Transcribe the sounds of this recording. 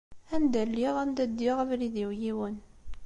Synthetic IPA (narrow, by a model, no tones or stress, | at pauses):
ænd̪ælːiʁænd̪æd̪ːiʁəvɾiðiwjiwən